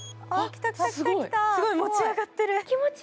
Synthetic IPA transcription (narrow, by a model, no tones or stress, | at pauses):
akʲi̥t̪akʲit̪aksɨit̪asɨɡomot͡ɕiaɡat̪ːeɾɯkʲimot͡ɕ